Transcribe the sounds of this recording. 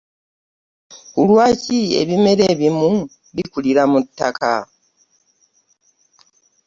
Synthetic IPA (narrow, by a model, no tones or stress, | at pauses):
kulwaːcie̞̰βime̞ɾeːβimu | βikuliɾamutːa̰ka̰